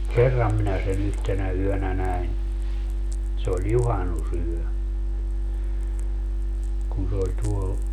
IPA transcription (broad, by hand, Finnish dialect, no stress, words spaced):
kerːɑm minæ sen yhtenæ yønæ næin se olʲ juhɑnusyø kun se olʲ tuol